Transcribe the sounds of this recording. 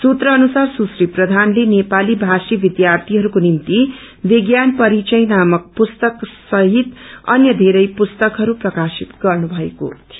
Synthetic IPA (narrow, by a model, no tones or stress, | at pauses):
sut̪rʌːnusarsusriprʌd̪ʱanlenepalibʱasibid̪jart̪ʰiɦʌɾukonimt̪i | biɡjanpʌɾit͡sʌjnamʌk̚pust̪ʌksʌɦit̪ʌ̰njʌd̪ʱeɾʌjpust̪ʌkɦʌɾuprʌkasit̪ɡʌrnubʱʌeko̰